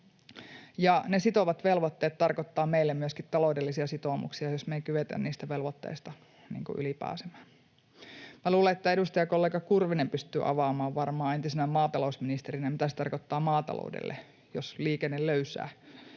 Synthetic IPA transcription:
jɑnesit̪oʋɑt̪ʋelʋot̪ːeːt̪t̪ːɑrkot̪ːɑːmeilːemmyøskit̪t̪ːɑloudelːisiɑsit̪oːmṵksiɑjosmeikyʋet̪æ̰nniːst̪æʋelʋot̪ːḛːst̪ɑ | nḭːŋkṵʔylipæ̰ːsemæːn | mæluːleet̪ːæe̞dust̪ɑjɑkolːeːɡɑkurʋinempyst̪y̰ːʔɑ̰ʋɑːmɑːʋʋɑrmɑːent̪isenæmɑːt̪ɑlousminist̪eɾinæmit̪æse̥t̪ɑ̰rkot̪ːɑːmɑːt̪ɑ̰lo̰udḛlːḛ | josliːkenːelløysæ̰ː

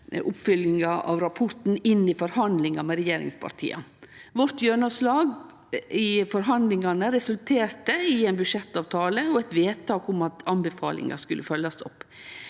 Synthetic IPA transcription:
ʔʊpːfʏlɪŋɑʔɑ̰ʋɾɑpʰɔɾt̪n̩ɪnːɪfɔɾhɑnd̪lɪŋɑmɛɾɛjeːɾɪ̰ŋspʰɑ̰ɾʈ̪ʰḭːɑ̰ʋɔɾt̪jøːɳəslɑːɡ | ɪfɔɾɦɑnd̪lɪŋɑnəɾɛsʉlt̪ʰeːɾt̪əɪɛɪnbʉʂɛt̪ːɑːʋt̪ʰɑːləɔɛt̪ʋeːt̪ʰɑːkʊmɑt̪ɑmbəfɑ̰ːlɪ̰ŋɑ̰skʉlʔəfœlːɑsɔpː

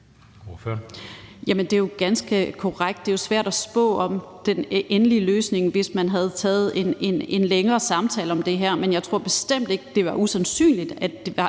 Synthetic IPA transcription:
oføɐjæmənd̥e̝joɡ̥ænsɡ̥əkʰɒʁaɡ̥d̥e̝josʋæɐ̰ɾ̥æsb̥ɔ̰̽ːɒ̽md̥enʔenəliəløːsne̝ŋʋe̝smænɦæð̞̩ˠt͡sʰɛ̰ːð̞̩ˠe̝ne̝ne̝nleŋɐːsɑ̈mt͡sʰɛ̰ːləɒ̽md̥e̝ɦæɐ̰menjɑ̈ɪt͡sʰʁo̝ɐ̰b̥e̝sd̥em̰d̥e̝ɡ̥əd̥e̝ʋɑ̈ʔusænsy̰ːnlid̥æd̥e̝ʋɑ̈

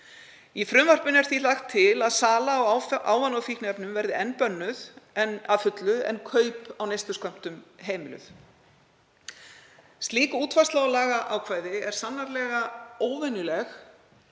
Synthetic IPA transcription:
ifɾʏmvar̥pʏnɛɾ̥θilaxt̪ʰːɪlaðsaːlaːwʔaːwvanawfihknɪɛpnʏmvɛɾðɪɛnːpœnːʏðɛnaðfʏt̪lʏɛ̰nkʰœːɥpawnejst̪ʏskœm̥t̪ʏmɦeːjmɪlʏ̰θ | st̪liːkuːt̪ʰvast̪laɔlaːɣaʔawkʰvaːjðɪɛɾ̥sanːaɾlɛːɣaoːwvɛnʏlɛx

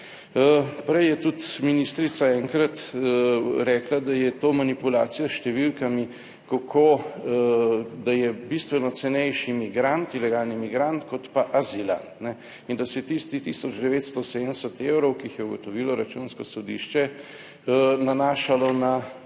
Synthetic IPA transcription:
pɾɛjjɛt̪ut̪minist̪ɾit̪saɛːŋkɾat̪ | ɾɛːklad̪ajɛt̪omanipulaːt̪sijasʃt̪ɛʋilkami | kakʰo | d̪ajɛbist̪ʋɛnɔt̪sɛnɛjʃimiɡɾant̪ilɛɡaːlnimiɡɾant̪kɔt̪paʔazila̰nt̪nɛ | ind̪asɛjɛt̪ist̪it̪isɔd͡ʒd̪ɛʋeːt̪st̪ɔsed̪ənsɛt̪ewɾɔwkiixjɛuɡɔt̪ɔʋiːlɔɾat͡ʃunskɔsɔd̪ḭʃt͡ʃɛ | nanaːʃalɔna

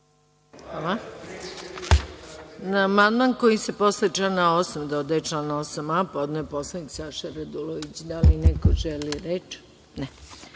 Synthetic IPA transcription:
xala | naːmand̪manko̞jise̞po̞slˠet͡ʃlanaosamd̪od̪aet͡ʃlanaosamapo̞d̪noeposlˠaniksaʃaɾad̪uloʋit͡ɕd̪alinekoʒeliɾet͡ʃ | nɛ

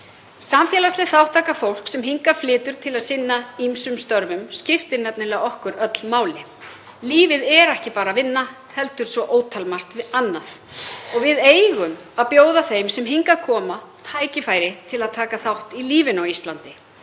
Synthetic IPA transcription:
samfjɛlaslɛθawht̪ʰːaːkafowl̥ksɛmɦiŋkaflɪːt̪ʏɾ̥t̪ʰɪlaðsɪnːaimsʏmst̪œɾvʏmscɪft̪ɪɾnɛpnɪlɛːɣaɔhkʏɾœt̪l̥maːwlɪ | liːvɪðɛɾɛhcɪpaːɾavɪnːa | hɛlt̪ʏɾ̥svɔʔoːwt̪ʰalmar̥t̪vɪðanːað | ɔɣvɪðeːjɣʏmaðpjoːwðaθejmsɛmɦiŋkakʰɔːmat̪ʰaːjcɪfaːjɾɪt̪ʰɪlaðt̪ʰaːkaθawht̪iliːvɪnawist̪lant̪ɪ

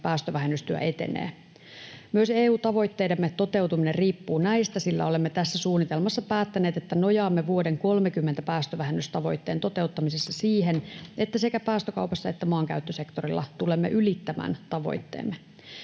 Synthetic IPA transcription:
pæːst̪øʋæɦenːyst̪yæ̰ʔe̞t̪ḛnḛː | myøseːuːt̪ɑʋo̞jt̪ːe̞jdemːet̪o̞t̪e̞wt̪uminerriːpːuːnæjst̪æsilːæ̰o̞le̞mːet̪æsːæsuːnːit̪e̞lmɑsːɑpæːt̪ːæne̞ːt̪e̞t̪ːæno̞jɑːmːeʋuo̞de̞ŋko̞lmekymːent̪æpæːst̪øʋæɦenːyst̪ɑʋo̞̰jt̪ːe̞ːnt̪o̞t̪e̞ut̪ːɑmisesːɑsiːɦene̞t̪ːæsekæpæːst̪økɑ̰wpɑsːɑe̞t̪ːæmɑːŋkæ̰yt̪ːøse̞kt̪orilːɑ̰t̪ule̞mːḛʔylit̪ːæmæ̰ːnt̪ɑʋo̞̰jt̪ːḛːmːe

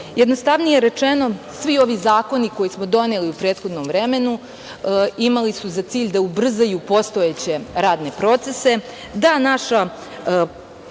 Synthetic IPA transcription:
jed̪nost̪aʋnijeɾe̞t͡ʂeno̞sʋio̞ʋizaːko̞niko̞jismo̞d̪o̞neliupɾeːt̪xo̞d̪nomvɾeme̞nu | imalisuzat̪siːʎʲd̪aubr̩zajupo̞st̪o̞et͡ɕe̞ɾaːd̪ne̞pɾo̞t̪se̞se̞ | d̪anaʃa

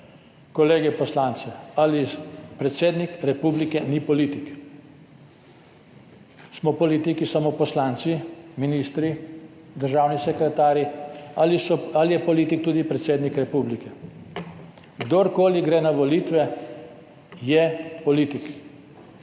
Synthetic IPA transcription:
kɔleːɡɛpɔslant̪sɛalipɾɛt̪seːd̪nikɾɛpublikɛnipɔliːt̪ik | smɔpɔlit̪ikisamopɔslaːnt̪siminiːst̪ɾi | d̪əɾʒaːwnisɛkɾɛt̪aːɾjialisɔalijɛpɔliːt̪ikt̪ud̪ipɾɛt̪seːd̪nikɾɛpublikɛ | ɡd̪oɾkoːliɡɾɛːnaʋɔliːt̪ʋɛ | jɛpɔliːt̪ik

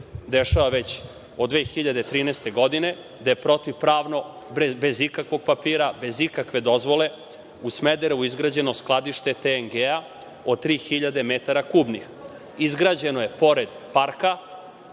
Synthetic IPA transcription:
d̪e̞ʃaʋaʋe̞t͡ɕ | od̪ʋeːxiʎad̪e̞t̪ɾiːnɛst̪e̞ɡo̞d̪ine̞ | d̪ajepɾo̞t̪iʋpɾaːʋno̞ | bezikakʋo̞ɡ̚papiːɾabe̞zikakʋe̞d̪o̞zʋo̞le̞ | usmed̪eɾeuizɡɾaːd͡ʑe̞no̞sklˠad̪iʃt̪e̞t̪eŋɡea | o̞t̪ɾiːxiʎad̪e̞met̪aɾakuːbnix | izɡɾaːd͡ʑe̞noje̞po̞ɾed̪paɾka

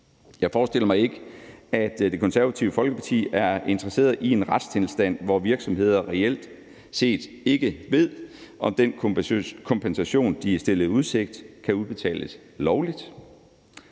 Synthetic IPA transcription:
jɑ̈ɪfɒːsd̥e̝l̰ɐmɑ̈ɪe̝ɡ̥əæd̥d̥e̝kʰɒ̽nsæɐæt͡sʰiʊəfɒ̽lɡ̥əpʰɑ̈t͡sʰḭːæɐe̝nd̥ʁɐse̝̰ːɐðˠʔie̝nʁɑd̥stʰelsd̥æn̰ʋɒʋiɐɡ̥sɒ̽mhe̝ð̞̰ˠɐʁɛel̰d̥ | se̝̰ːd̥ | e̝ɡ̥əʋe̝ð̞̰ˠʔɒ̽md̥enkʰɒ̽mpʰensæɕo̝̰ːnd̥isd̥e̝lð̩ˠuð̞ˠse̝ɡ̥̚d̥kʰæuðˠb̥e̝t͡sʰɛ̰ːləs | lɒʊlid̥

